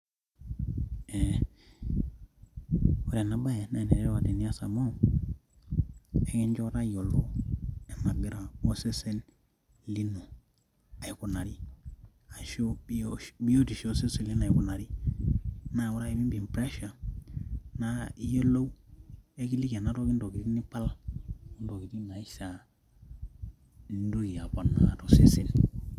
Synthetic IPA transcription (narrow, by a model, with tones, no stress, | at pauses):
e˨ | wo˦ɾa˨na˨ba˦je˨na˨ne˨ɾe˦ɾwa˨te˨ni˦a˦sa̰˨mo˦ | e˦ki˦ɲd͡ʒo˦ɾa˦jo˨lo˦e˨ma˨ɡi˦ɾa˨o˦se˦se˦n | li˦no˨ | a˨i˨ku˨na˨ɾi˦ | a˨ʃo˦bi˦o˦ti˨ʃo˦se˦se˨li˦na˨i˨ku˨na˨ɾi˦ | na˨˦˨wo˦ɾa˦i˨bi˦mbi˨m˨pɾe˦ʃa˨ | na˦i˦je˦lo˦we˦ki˦li˦ka˨na˨˦to˦ki˦ndo˨ki˨ti˦ni˦pa˦lu˦ndo˨ki˨ti˦na˨i˦sa˨ | n˦du˦ɡi˨ja˨bo˨na̰˨to˦se˦se˦n